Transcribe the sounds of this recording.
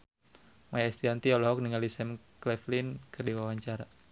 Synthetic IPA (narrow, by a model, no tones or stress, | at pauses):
majaɛst̪iant̪iɔlɔɦɔk̚niŋalisɛm | klɛflinkərdiwawaɲt͡ʃaɾa